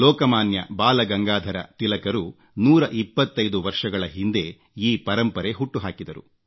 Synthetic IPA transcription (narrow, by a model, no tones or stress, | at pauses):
lɔːkɐmaːnjɐ̰baːlɐɡɐŋɡaːd̪ʱɐɾɐ̰t̪ilɐkɐɾu | nuːɾɐʔipːɐt̪ːɐjd̪uʋɐɾʂɐɡɐɭɐɦind̪e̞ | iːpɐɾɐmpɐɾeɦuʈːuɦaːkid̪ɐɾṵ